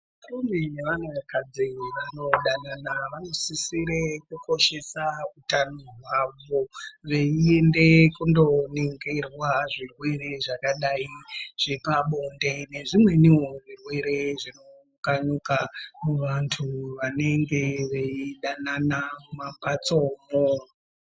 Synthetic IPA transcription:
arumbineʋaneʋakʰad͡ziweʋanoɗananaʋano̞sisiɾekuko̞ʃe̞sautanoɦwaʋo̞ʋeiende̞kundo̞neŋɡerwaʐirwe̞re̞ʐakaɗaiʐ̥epaɓonde̞ne̞ʐimwe̞niwoʐirwe̞ɾe̞ʐino̞ | kaɲukamuʋantʰuʋane̞ŋɡe̞ʋe̞iɗananamumapat͡soːmo

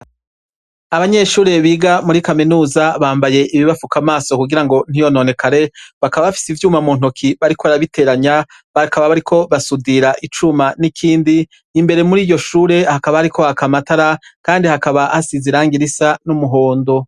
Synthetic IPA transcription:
aβaɲe̞ʃuːɾe̞βiːɡamuɾikaminuːzaβaːmbaje̞ʔiβiβafukamaːso̞kuɡiɾaŋɡo̞n̥ijo̞no̞ne̞kʰaɾe̞βakaβaβafi̥sivjuːmamuːn̥okʰiβaɾikoβaɾaβitʰe̞ɾaɲa | βakaβaβaɾikʰo̞βasudiɾaʔit͡ʃumanikʰiːndiː | mbe̞ɾe̞muɾiːjo̞ʃuːɾe̞hakaβahaɾikʰo̞akamataɾakaːndihakaβaʔasiziɾaːŋɡiɾisanumuɦo̞ːndo̞

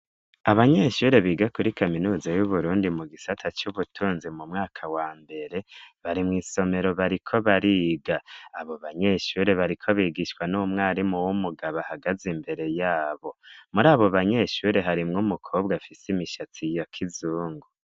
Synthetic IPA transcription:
aβaɲe̞ʃuːɾe̞βiːɡakuɾikaminuːzajuβuɾuːndimuɡisatʰat͡ʃuβutʰuːnzimumŋaːkʰawaːmbe̞ɾe̞βaɾimŋiːso̞me̞ɾo̞βaɾikʰo̞βaɾiːɡaaβoβaɲe̞ʃuɾe̞βaɾikʰo̞βiːɡiʃkwanumŋaːɾimuwumuɡaβahaɡazimbe̞ɾe̞jaːβo̞muɾaːβoβaɲe̞ʃuɾe̞ɦaɾimŋumukʰo̞ːbɡafisimiʃatʰijokʰizuːŋɡu

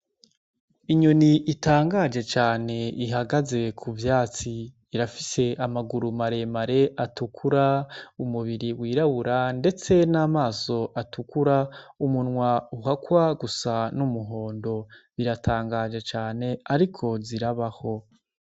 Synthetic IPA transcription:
iɲoniʔitaːŋɡad͡ʒe̞t͡ʃaːne̞iɦaɡaze̞kʰuvjaːt͡siː | ɾafise̞ʔamaɡuɾumaɾe̞maɾe̞ʔatukʰuɾaumuβiɾiwiːɾaβuɾande̞t͡se̞naːmaːso̞ʔatukuɾaumunŋwauɦakwaɡusanumuɦo̞ːndo̞βiɾatʰaːŋɡad͡ʒe̞t͡ʃaːne̞aɾikʰo̞ziɾaβaho̞

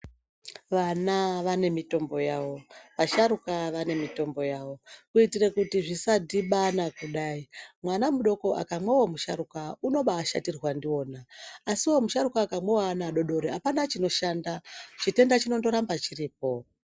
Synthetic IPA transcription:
ʋanaʋane̞mito̞mbo̞jawo̞ʋaʃaɾukaʋane̞mito̞mbo̞jaːwo̞kuitirekutiʐisadiɓanakuɗaːimwanamuɗo̞ko̞ʔa̰kamwewo̞muʃaɾukauno̞ɓaːʃa̰tirwandio̞ːnaːsiwo̞muʃaɾukaːkamwewaːnaɗo̞ɗo̞ɾeapanat͡ʃino̞ʃaːndat͡ʃite̞ndat͡ʃino̞ndo̞ɾambat͡ʃiriːp̚o̞

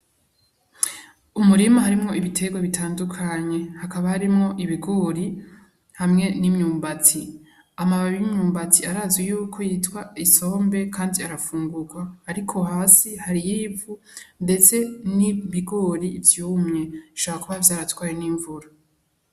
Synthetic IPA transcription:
umuɾimaɦaɾimŋo̞iβitʰe̞ɡwaβitʰaːndukʰaɲe̞hakaβahaɾimŋo̞ʔiβiɡoɾi | hamŋe̞nimɲuːmbat͡si | amaβaβijimɲuːmbat͡siaɾaːzɡijuːkʰo̞jitwaiso̞ːmbe̞kʰaːndiaɾafuːŋɡuɡwaːɾikʰo̞haːsihaɾijiːvunde̞t͡se̞niβiɡoɾivjuːmɲe̞ʃoaakuβavjaːɾatwaːjeniːɱvuɾa

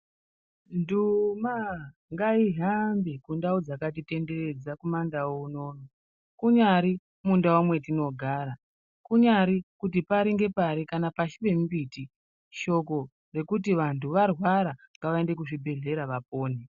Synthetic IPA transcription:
ndumaŋɡaiɦambikundaud͡zakat̬ite̞nde̞re̞d͡zakumandaouno̞ːno | kuɲaɾi | mundawamwe̞tino̞ɡʱaːɾa | kuɲaɾikutipaɾiŋɡe̞paɾikanapaʃiʋe̞mubiti | ʃo̞ko̞ | re̞kut̬iʋantʰuʋarwaɾaŋɡaʋae̞nde̞k̬uʐibʱe̞ɮe̞ɾaʋapo̞ːne

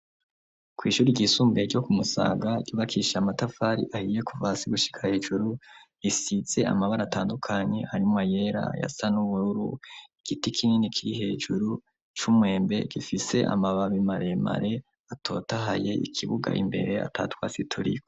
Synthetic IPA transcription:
kwiːʃuːɾiɟiːsuːmbeɟo̞kumusa̰ːɡaɟuːβakʰiʃaamatafaɾḭʔahije̞kʰuvasiɡuʃi̥kʰahe̞ːʒuɾujisize̞a̰maβaɾataːndukʰaɲe̞haɾimŋaje̞ɾa̰ja̰sanuβuɾuɾuiɡ̥itikʰininikʰiɾiɦe̞ːʒuɾu | t͡ʃumwe̞ːmbe̞̰ɡ̥ifise̞ʔa̰maβaβimaɾe̞ma̰ɾe̞ | atʰo̞̰ːtaɦaje̞ʔḭkʰiβuɡa̰ʔimbe̞̰ɾe̞a̰tʰa̰ːtwa̰ːsitʰuɾḭo

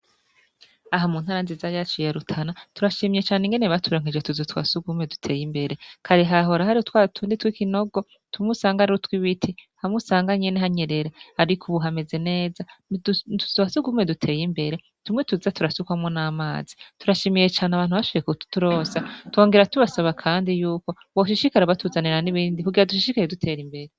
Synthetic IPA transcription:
aɦamuːn̥haːɾanzizajat͡ʃijeɾutʰanatuɾaʃimijet͡ʃaːneŋɡe̞neβatʰuɾoːŋed͡ʒetuzutwa̰suɡume̞du̥tʰe̞ːjimbe̞ɾe̞kʰaɾiɦaɦo̞ɾaɦaɾiotwatʰuːnditwikino̞ɡo̞ | tumusaːŋɡaɾiɾutwiβitʰihamusaːŋɡaɲeneɦaɲe̞ɾe̞ɾehaɾikʰuβuɦame̞ze̞ne̞ːza | tuzasuɡume̞dutʰe̞ːjimbe̞ɾe̞ | tumŋetuzatuɾasukwamŋonaːma̰ːzituɾaʃimije̞t͡ʃaːnaβaːnhuβaʃoβjekutu̥tuɾo̞ːsatwo̞ːŋɡeɾatuβasaβakʰaːndijuːko̞ | βoʃiʃikaɾaβatʰuzaniɾaniβiːndikuɡiɾaduʃiʃikajedutʰe̞ːɾimbe̞ɾe

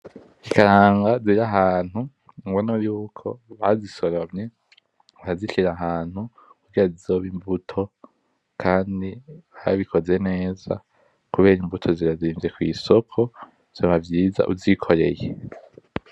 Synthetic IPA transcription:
ikaɾaːŋɡaziɾaɦaːn̥hu | ŋwonoɾuːkʰo̞̰βaziso̞ɾomɲe̞ | aziʃiɾaɦaːn̥hu | kuɡiɾazizoβimbutʰo̞ | kʰaːndiβaβikʰo̞ze̞ne̞ːz̥a̰ | kuβe̞ːɾimbutʰo̞ziɾaziːɱve̞kwḭːso̞kʰo̞ | z̥oβavjiːza̰ʔuzikʰo̞ɾe̞̰je

